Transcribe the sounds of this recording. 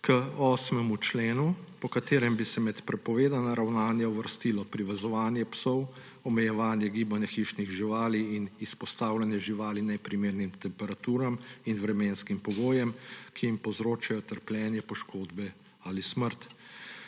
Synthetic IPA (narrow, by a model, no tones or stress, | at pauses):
kəɔːsmɛmut͡ʃleːnupɔkat̪eːɾɛmbisɛmɛt̪pɾɛpɔʋeːd̪anaɾawnaːnjauʋəɾst̪iːlɔpɾiʋɛzɔʋaːnjɛpsɔw | ɔmɛjɛʋaːnjɛɡiːbanjaxiːʃniɣʒiʋaːliːnispɔst̪aːwlanjɛʒiʋaːlinɛpɾimeːɾnimt̪ɛmpɛɾat̪uːɾaminʋɾɛmeːnskimpɔɡoːjɛmkʰijimpɔwzɾoːt͡ʃajɔt̪əɾpljɛːnjɛpɔʃkʰoːd̪bɛ | alisməɾt̪